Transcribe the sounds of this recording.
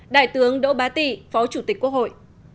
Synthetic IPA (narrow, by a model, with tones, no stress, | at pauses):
ɗa̰ː˧˨jt̪ɨ˨˦əŋɗo̰˧˥ɓaː˨˦t̪i˧˩fɔ˨˦t͡ɕu˧˩t̪i˨˩kkːu˧˥ək̚ho̰˧˨jʔ